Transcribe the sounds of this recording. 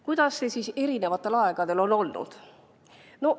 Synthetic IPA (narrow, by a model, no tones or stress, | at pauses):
kujd̪̥ɑsːe̞siːse̞ɾine̞vɑt̪ːˑe̞lɑe̞ɡ̥ɑd̪e̞lo̞no̞lnṵd̪̥ | no̞